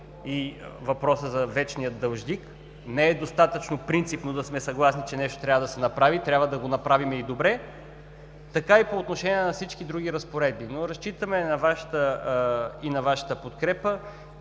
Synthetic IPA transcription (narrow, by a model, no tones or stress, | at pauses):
ivɐpɾɔsəzɐvɛt͡ʃnijət̪̚d̪ɐlˠʒd̪ik | nɛɛd̪ost̪at̪ət͡ʃnopɾint̪sipnod̪ɐsmɛsɐɡlˠasnit͡ʃɛnɛʃt̪o̥t̪ɾʲabvəd̪ɐsɛnɐpɾavit̪ɾʲabvəd̪ɐɡonɐpɾavimɛid̪obɾɛ | t̪ɐkaipoːt̪noʃɛniɛnɐfsit͡ʃkid̪ɾuɡiɾɐspoɾɛd̪̚binoɾɐst͡ʃit̪əmɛnɐvaʃə̥t̪ə | inɐvaʃə̥t̪əpot̪kɾɛpə